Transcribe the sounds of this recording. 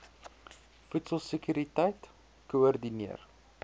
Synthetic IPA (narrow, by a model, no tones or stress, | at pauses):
futsəlˠsəkyɾitɛjt | kuɔrdiniər